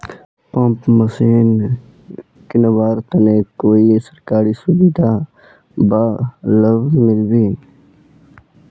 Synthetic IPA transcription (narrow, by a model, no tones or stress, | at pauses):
pãmpməsiːn | kɪnəwaːɾt̪ɐnekoːisəɾkaːɾisubid̪ʱa | baːləʋmɪlbiːn